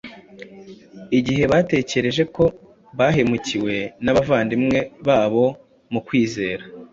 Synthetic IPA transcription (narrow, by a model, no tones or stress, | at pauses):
iɟiɦe̞βaːte̞ːce̞ɾe̞ʒe̞ko̞ | βaːɦe̞muciwe̞naβavaːndimŋe̞βaːβo̞ | mukwiːze̞ːɾa